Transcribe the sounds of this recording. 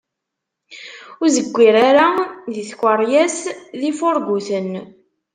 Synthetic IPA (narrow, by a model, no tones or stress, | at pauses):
ʊɾzəɡʷːiɾaɾaðiθkʷəɾˤjæsðifoɾˤbuθən